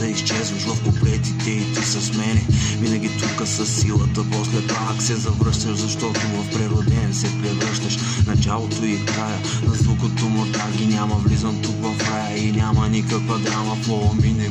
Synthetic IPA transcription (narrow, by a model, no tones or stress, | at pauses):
d̪ɐist͡ʃɛzvɐʃvɐfpoplɛt̪it̪ɛit̪isɐsmɛnɛvinɐɡ̟ʲit̪ukəsɐsːilˠət̪əposlɛt̪vaksɛzɐvɾɤʃt̪ɐʃzɐʃt̪ɔt̪ovɐfpɾɛɾod̪ɛnsɛpɾɛvɾɤʃt̪ɐʃ | nɐt͡ʃalˠot̪oifkɾajə | nɐzvukot̪omot̪aɡʲinʲamɐvlizɐmt̪ukvɐfɾajəinʲamɐnikəkvɐɡ̪ɾaməpɔminɛ